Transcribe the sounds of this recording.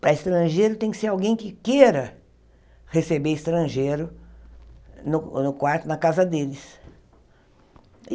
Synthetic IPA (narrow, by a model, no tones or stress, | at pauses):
pɾɐɪst̪ɾɐ̃ʒejɾʊt̪ẽj̃kɪ̥seɾawɡẽj̃kɪkeɾɐ | hesebeɾɪst̪ɾɐ̃ʒeɾʊ | nʊnʊkwaɾt̪ʊnɐkazɐd̪elɪs